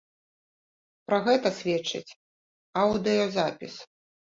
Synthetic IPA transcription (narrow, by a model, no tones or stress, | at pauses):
pɾɐɣɛt̪ɐsʲvʲɛt͡ʂːɨ̰t͡sʲ | awd̪ɨjɔzapʲis